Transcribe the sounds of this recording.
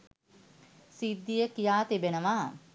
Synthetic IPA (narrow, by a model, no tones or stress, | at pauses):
sid̪ːijəkijaːt̪ibenəʋa